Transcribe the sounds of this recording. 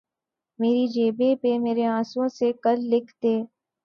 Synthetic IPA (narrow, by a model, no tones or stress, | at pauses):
meːɾid͡ʒeːbepemeːɾeãːsõsekɐlːɪkʰt̪eː